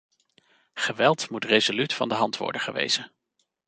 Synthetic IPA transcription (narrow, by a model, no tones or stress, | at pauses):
χəʋɛlˠtmutrezolytfɑ̰ndəɦɑntʋɔ̰ɹdəχəʋḛjz̥ən